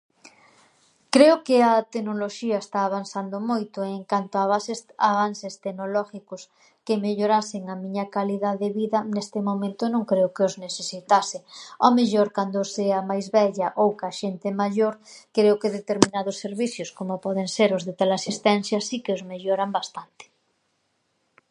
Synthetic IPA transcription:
kɾeʊkeɐt̪eɡnoloʃiaest̪aːβ̞ansand̪omojt̪ʊeŋkant̪oaβasaβansest̪eɡnolɔxikos | kemeʎoɾaseŋamĩɲakaliðaðeβiðɐnest̪ɪmomẽnt̪onõŋkɾeokeozneθesit̪aseomeʎoɾkand̪oseamajzβɛʎaʔowkaʃent̪emaʎoɾkɾeokeðet̪eɾmĩnaðosːeɾβiθjoskomopɔðeŋseɾozðet̪alasist̪ɛn̟θjasikeozmeʎoɾambast̪ant̪e̥

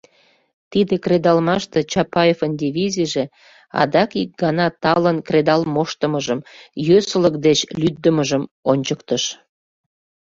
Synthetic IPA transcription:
t̪id̪ekrʲed̪ɑlmɑʃt̪et͡ɕɑpɑefənd̪ʲivʲizʲiʒe | ɑ̰d̪ɑkik̚ɡɑnɑt̪ɑlənkred̪ɑlmoʃt̪əməʒəmjøsələk̚d̪et͡ɕlyd̪ːəməʒəmonʲt͡ɕəkt̪əʃ

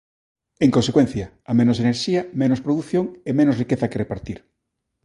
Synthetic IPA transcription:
eŋkonsekwẽn̟θjɐːmẽnoseneɾʃiɐmẽnospɾoðuθjoŋemẽnosrikeθɐkerepaɾt̪iɾ

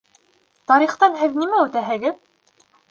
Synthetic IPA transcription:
t̪ɑɾiχt̪ɑnɦɘðnimæʉt̪æɦɘ̆ɡɘð

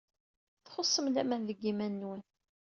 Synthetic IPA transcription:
θχosˤːəmlæmænðəɡːimænːwən

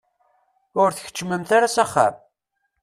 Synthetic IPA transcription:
ʊɾθə̥çə̥t͡ʃːməmθaɾasaχːa̰m

